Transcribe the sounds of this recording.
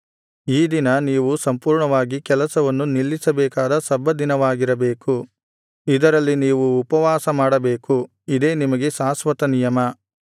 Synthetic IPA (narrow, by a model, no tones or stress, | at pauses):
iːd̪inɐniːʋusɐmpuːɾɳɐʋaːɡikɛlɐsɐʋɐnːunilːisɐbɛːkaːd̪ɐsɐbːɐd̪inɐʋaːɡiɾɐbeːku | id̪ɐɾɐlːiniːʋuːpɐʋaːsɐmaːɽɐbeːku | id̪e̞ːnimɐɡe̞saːsʋɐt̪ɐnijɐmɐ